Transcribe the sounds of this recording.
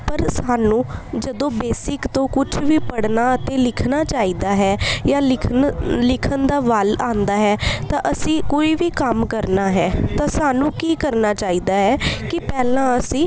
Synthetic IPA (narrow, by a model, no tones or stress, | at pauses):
pəɾsaːnũːd͡ʒəd̪õːbeːsɪkt̪õːkʊt͡ʃʰʋiːpəɽnaːət̪ẽːlɪkʰnaːt͡ʃaːiːd̪aːɦɛːjaːɪlɪkʰənd̪aːʋalaːnd̪aːɦɛːt̪ãːʔəsĩːkoːiːʋiːkəmkəɾnaːɦɛːt̪ãːsaːnũːkiːkəɾnaːt͡ʃaːiːd̪aːɦɛːkɪpɛːlãːəsĩː